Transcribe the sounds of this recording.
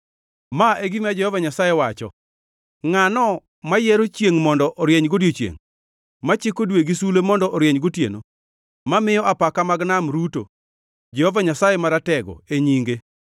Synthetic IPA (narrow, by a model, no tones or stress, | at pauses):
maʔeɡimad͡ʒɛhɔvaɲasajewat͡ʃɔ̰ | ŋanɔ | majɛɾot͡ʃjeŋmɔndɔʔɔɾjeɲɡodjot͡ʃjḛŋ | mat͡ʃɪkodweɡisulemɔndɔʔɔɾjɛɲɡotjḛno̰ | mamɪjɔʔapakamaɡnamɾuto̰ | d͡ʒɛhovaɲasajemaɾatɛɡɔ̰eɲiŋɡe